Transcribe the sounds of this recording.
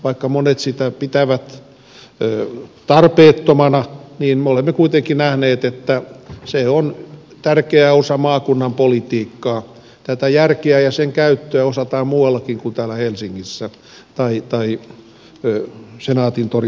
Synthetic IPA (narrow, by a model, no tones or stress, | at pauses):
ʋɑikːɑmonet̪sit̪æpit̪æʋæt̪ | øːt̪ɑrpeːt̪ːomɑnɑniːnmeolemːekuit̪eŋkinæhneːt̪et̪ːæseon | t̪ærkeæosɑmɑːkunːɑmpolit̪iːkːɑː | t̪æt̪æjærkeæjɑseŋkæyt̪ːøæosɑt̪ɑːmmuːɑlːɑkiŋkunt̪æːlæhelsiŋːisːæ | t̪ɑit̪ɑi | senɑːt̪int̪ori